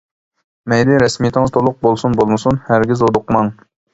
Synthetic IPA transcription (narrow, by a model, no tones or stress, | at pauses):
mɛjd̪ɪɾɛsmijt̪ʰɪŋɨz̥t̪ʰolˠʊq̚bolˠsunbolˠmɨsunhæɾɡʲizod̪ʊqmɑŋ